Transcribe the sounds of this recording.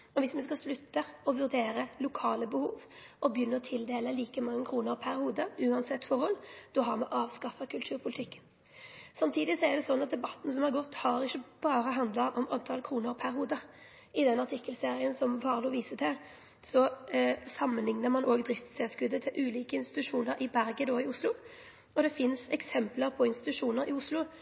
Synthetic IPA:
ɔʋɪsmɛskɑslʉt̪ːəɔʋʉʁd̪eːɾəlʊkʰɑːləbəhuːʋʔɔbjʏnːəɔt̪ʰɪld̪eːləliːkəmɑŋːəkʰɾuːnəʁpʰæʁhuːd̪əʉːɑnsɛt̪ːfɔʁhɔld̪̥ɔɦɑʁmɛʔɑːʋskɑfɑkʰʉlt̪ʰʉːʁpʰʊlɪt̪ʰɪkːən | sɑmt̪ʰiːd̪ɪsɔɛʁd̪ɛsɔnːɑt̪̚d̪ɛbɑt̪ːn̩sɔmhɑʁɡɔt̪ːhɑɾɪçːəb̥ɑːʁəɦɑnd̪lɑʔɔmɑnt̪ʰɑlkʰɾuːnəɾpʰæʁhuːd̪ə | ɪd̪ɛnɑʁt̪ʰɪkːəlseːʁɪənsɔmʋɑːʁluːʋiːsət̪ʰɛl | sɔsɑmːənlɪŋnəʁmɑnʔoːɡd̪ʁɪft̪sɛːskʉd̪ːət̪ʰɪlʔʉːliːkəɪnst̪ɪ̥t̪ʉʂuːnəɾɪbæɾɡəd̪oːɪʊslʊ | ɔd̪ɛfɪnsɛksɛmpləʁpʰɔɪnst̪ɪt̪ʉʂuːnəɾɪ̰ʊslʊ

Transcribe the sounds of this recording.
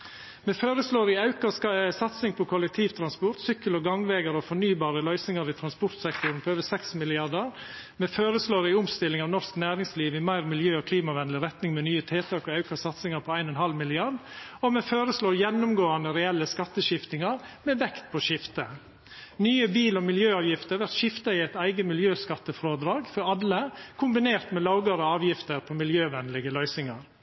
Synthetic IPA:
meːføːɾəsloːɾɪɑʉkɑssɑt̪sɪŋpʰɔkʰɔlɛk̚t̪ʰiːʋt̪ʰɾɑnspʊɾt̪sʏkːəlɔɡɑŋʋeːɡəɾɔfɔɳyːbɑːɾəlœʏsɪŋɑɾɪt̪ʰɾɑnspʊɾt̪sɛkt̪ʊɾnpʰɔøːʋəsɛksmɪlɪɑɖəɾ | meːføːɾəsloːɾɪʊmst̪ɪlːɪŋɑʋnɔsknæːɾɪŋsliːʋɪmæɪɾmɪljøːɔkʰliːmɑʋɛnd̪lɪɾɛt̪nɪŋmɛnyːət̪ʰeːt̪ʰɑːkɔɑʉkɑsɑt̪sɪŋɑɾpʰɔæɪnɔnɦɑlmɪlɪɑɾɖɔmɛføːɾəsloːɾjɛnːʊmɡoːɑnəɾɛɛlːəskɑt̪ːəʃɪft̪ɪŋɑɾmɛʋɛkt̪̚pʰɔʃɪft̪ə | nyːəbiːlɔmɪljøːɑːʋjɪft̪əɾʋæɾt̪ʃɪft̪ɑɪæɪt̪æɪɡəmɪljøːskɑt̪ːəfɾoːd̪ɾɑːɡfɔɾɑlːəkʰʊmbɪneːɾt̪mɛlɑʊɡɑɾɔɑːʋjɪft̪əɾpʰɔmɪljøːʋɛnlɪɡəlœʏsɪŋɑɾ

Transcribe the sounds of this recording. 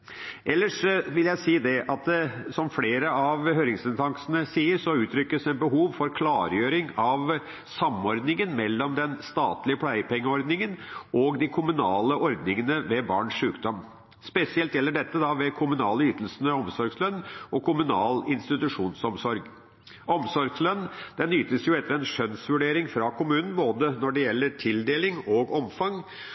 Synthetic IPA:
ʔɛlːəʂʋɪljæɪsiːd̪ɛʔɑt̪̚d̪ɛsɔmfleːɾəɑʋhøːɾɪŋsɛnt̪ʰɑŋsənəsiːəɾʂɔʉːt̪ʰɾʏkːəsɛnbəɦuːʋfɔɾkʰlɑːɾjøːɾɪŋɑʋ | sɑmɔɾd̪nɪŋənmɛlːɔmd̪ɛnst̪ɑːt̪lɪəpʰlæɪəpʰɛŋːəɔɾd̪nɪŋənʔɔɡd̪ɪkʰʊmʉnɑːləʔɔɾd̪nɪŋənəʋɛbɑ̰ːɳʂʂʉːkd̪ɔm | spɛsɪɛlt̪jɛlːəɖɛt̪ːəd̪ɑʋɛkʰʊmʉnɑːləyːt̪əl̩sənəɔmsɔɾɡslœnːɔkʰʊmʉnɑːlɪnst̪ɪt̪ʉʂuːnsɔmsɔɾɡ | ʔɔmsɔɾɡslœnːd̪̥ɛnːyːt̪əsjʊɛt̪ːəɾɛnʂœnsʋʉɖeːɾɪŋfɾɑkʰʊmʉːnn̩boːd̪ənɔɖɛjɛlːəʈʰɪld̪eːlɪŋɔɡɔmfɑŋ

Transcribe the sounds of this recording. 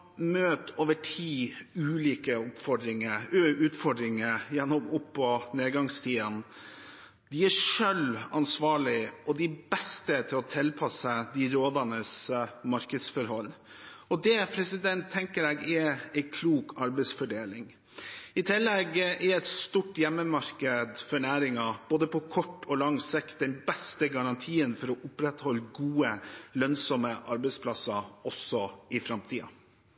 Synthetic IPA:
møːt̪oːʋəʈʰiːʉːliːkəʊpːfɔɖɾɪŋəʉːt̪fɔɖɾɪŋəjɛnːɔmʊpːɔneːd̪ɡɑŋst̪ʰiːən | d̪ɪæʂœlɑnsʋɑːɭɪʔɔd̪ɪbɛst̪ət̪ʰɪlɔt̪ʰɪlpʰɑsəd̪ɪɾoːd̪ɑnəsmɑɾkəd̪sfɔɾɦɔlː | ɔd̪ɛpʰɾɛsɪd̪ɛnt̪ʰːɛŋkəɾɛɡɛɛɪkʰluːkɑɾbɛsfɔɖeːlɪŋ | ɪt̪ʰɪlːɛɡʔɛɾɛt̪st̪uːʈjɛmːəmɑɾkəd̪fɔɳæːɾɪŋɑb̥oːd̪əpʰɔkʰɔʈːɔlɑŋsɪk̪̚d̪ɛnbɛst̪əɡɑɾɑnt̪ʰiːənfɔɾɔʔʊpɾɛt̪hɔlːɡuːəlœnsɔmːəʔɑɾbɛɪspʰlɑsɑɔsɔɪfɾɑmt̪ʰiːɑ̰

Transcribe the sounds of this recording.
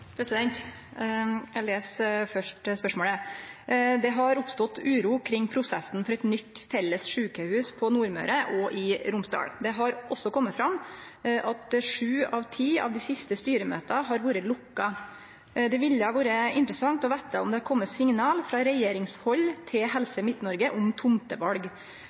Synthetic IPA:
pʰɾɛsɪd̪ɛnt̪ | æleːsfœʂʈspœʂmoːlə | d̪ɛɦɑɾʊpst̪ɔt̪ːʉːɾuːkʰɾɪŋːpʰɾʊsɛsn̩fɔɾɛt̪nʏt̪ːfɛlːəsʂʉːkəhʉːspʰɔnuːɾmœ̰ʉɾəʔɔʔɪɾʊmst̪ɑ̰ːɽd̪ɛɦɑɾʔɔsːɔkʰɔmːət̪fɾɑmʔɑt̪ʂʉːɑʋt̪ʰiːɑ̰ʋd̪ɪsɪst̪əst̪yːɾəmø̰ːt̪ɑɦɑɾʋuːɾəlʊkːɑ | d̪ɛʋɪlːɑʋuːɾəɪnt̪ɾəsɑŋt̪ɔʋæɪt̪əɔmd̪ɛhɑɾkʰɔmːəsɪŋnɑːlfɾɑːɾɛjeːɾɪŋshɔlːt̪ʰɪlɦɛlsəɪmɪt̪ːnɔɾɡəʔʊmt̪ʰʊmt̪əʋɑlɡ

